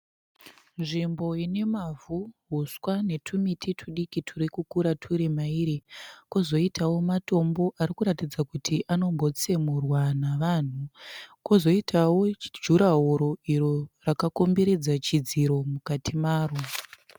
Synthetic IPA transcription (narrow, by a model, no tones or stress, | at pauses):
nʐimbo̞ine̞mavʱuɦuswane̞tʰumitʰitʰuɗikitʰuɾikukuɾatʰuɾemaiːɾikozo̞itawo̞mato̞mbo̞ʔarikuɾatid͡zakutʰiʔano̞mbo̞t͡se̞murwanaʋaːn̤ukozo̞itʰawo̞d͡ʒuɾaɦoɾo̞iɾorakakombe̞ɾe̞d͡zat͡ʃid͡ziɾo̞mukatʰimaːro